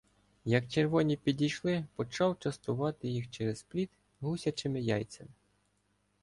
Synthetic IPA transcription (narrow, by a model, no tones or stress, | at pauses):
jɐkt͡ʃerʋɔnʲipʲid̪ʲijʃlˠɪpɔt͡ʃɑwt͡ʃɐst̪ʊʋɑt̪ɪjixt͡ʃɛɾezplʲit̪ | ɦusʲɐt͡ʃɪmɪjɑj̪t͡s̪ʲɐmɪ